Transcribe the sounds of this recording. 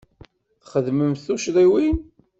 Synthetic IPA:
θχəðməmθuʃðˤiwin

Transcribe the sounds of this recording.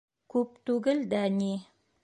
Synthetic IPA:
kʉp̚t̪ʉɡɘld̪æni

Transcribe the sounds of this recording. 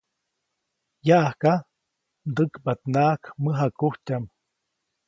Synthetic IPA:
jaʔahka | d̪əkbat̪̚naːkməɦakuht͡ʃam

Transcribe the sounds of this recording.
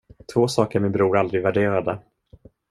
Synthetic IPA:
t̪ʰvoːsɑːkəɾmɪnbɾuːɾald̪ɾɪɡvæɖeːɾad̪ə

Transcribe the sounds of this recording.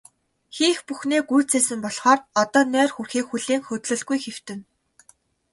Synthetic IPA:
xiːxpuxneːɡujt͡seːsɘ̆mpɔɮχɔːrɔt̪ɔːnæːrxurxiːkxuɮiːŋxɵt̪ɮɵ̆ɮɡujxew̥t̪ɘ̆n

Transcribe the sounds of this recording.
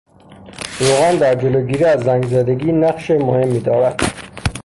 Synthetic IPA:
ɾoɣand̪æɾd͡ʒeloɡiːɾiæzːæŋɡzæd̪eɡiːnæqʃemohemːid̪ɒːɾæd̪̥

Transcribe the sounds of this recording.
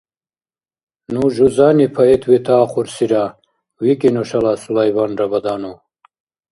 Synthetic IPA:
nuʒuzaːnipʰɐet̪ʰwit̪ʰaːqʰuɾsiɾa | wikinoʂɐlasulajbaːnɾɐbɐd̪aːnu

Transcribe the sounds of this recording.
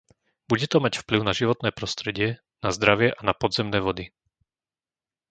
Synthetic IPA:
b̥uɟɛt̪ɔmacfpliʊnaʒiʋɔt̪nɛːpɾɔst̪ɾɛɟɪɛ | nazd̪ɾaʋɪɛʔanapɔd̪zɛmnɛːʋɔd̪i

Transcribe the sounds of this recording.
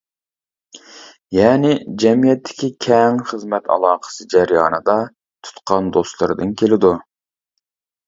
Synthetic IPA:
jɛːnɪd͡ʒɛmijɛt̪ʰːɪ̥kʲikʲʰɛŋχəzmɛt̪ʰɑ̰lˠɑːqə̥sɨd͡ʒɛɾjɑːnɨd̪ɑ | t̪ʰu̥t̪qʰɑnd̪ost̪lˠɨɾɨd̪ɨnkʲʰelɪd̪u

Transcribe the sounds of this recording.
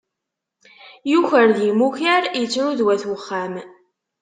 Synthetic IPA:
juçəɾðimuçəɾjət͡sːɾuðwæθwəχːæm

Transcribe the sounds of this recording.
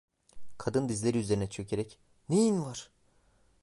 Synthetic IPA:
kʰad̪ɯnd̪izlʲeɾiyze̞ɾinɛt͡ʃʰøcʰeɾɛc | nejinvaɾ̥

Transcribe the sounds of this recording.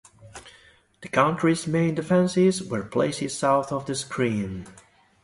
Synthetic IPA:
ð̥ɨkʰãʊ̃ntʰɹ̥izmẽɪ̃ndɪfɛ̃nsɪzwə˞pʰl̥ḛɪsɪz̥saʊθɔvðɨskʰɹĩːn

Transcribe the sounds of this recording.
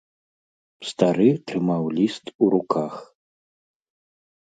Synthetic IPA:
st̪aɾɨt̪ɾɨmawlʲist̪uɾukax

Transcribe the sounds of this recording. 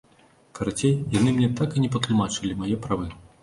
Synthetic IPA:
kɐɾat͡sʲejjanɨmnʲɛt̪akinʲɛp̬ɐt̪lˠumat͡ʂɨlʲimajɛpɾavɨ

